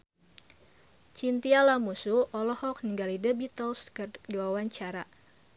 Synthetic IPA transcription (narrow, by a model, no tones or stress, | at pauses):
t͡ʃint̪ialamusuʔɔlɔhɔk̚niŋɡalidəbit̪əlskərdiwawaɲt͡ʃaɾa